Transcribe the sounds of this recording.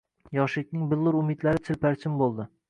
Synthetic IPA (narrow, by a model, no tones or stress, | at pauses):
jɒʃɪk̚ʲnɪŋbɪlˠːʊɾʊmɪd̪laɾɪt͡ʃ̪ʰɪlpʰæɾt͡ʃʰɪmbolˠd̪ɪ